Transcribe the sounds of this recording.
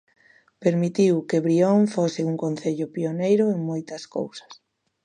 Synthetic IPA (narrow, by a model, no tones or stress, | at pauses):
peɾmit̪iwkeβɾioŋfosɪuŋkõn̟θeʎʊpionejɾʊeŋmojt̪ɐsko̰wsɐ̥s